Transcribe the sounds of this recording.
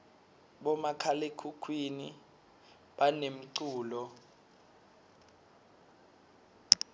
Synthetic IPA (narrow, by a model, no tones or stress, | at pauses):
ɓɔmakʰalekʰukʰwini | ɓanem̩ǀuːlɔ